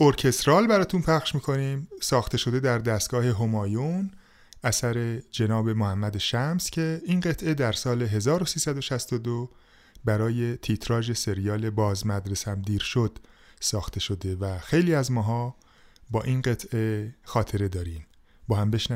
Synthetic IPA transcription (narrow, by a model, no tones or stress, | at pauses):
oɾcʰe̞st̪ɾɒːlbæɾɒːt̪ʰunpʰæχʃmiːkʰo̞niːmsɒːxt̪ʰe̞ʃo̞d̪e̞d̪æɾd̪æst̪ɡ̥ɒːhe̞ɦo̞mɒːjon | æsæɾe̞d͡ʒe̞nɒːbe̞mohæmːæd̪eʃæmscʰe̞inɢe̞t̪ʰʔe̞d̪æɾsɒːle̞ɦe̞zɒːɾo̞siːsæd̪o̞ʃæst̪o̞d̪o | bæɾɒːje̞t̪ʰit̪ʰɾɒːʒe̞se̞ɾijɒːle̞bɒːzmæd̪ɾe̞sæmd̪iːɾʃod̪̥sɒːxt̪ʰe̞ʃo̞d̪e̞væxe̞jliːæzmɒːɦɒː | bɒːʔinɢe̞t̪ʰʔe̞xɒːt̪ʰe̞ɾe̞d̪ɒːɾim | bɒːɦæmbe̞ʃn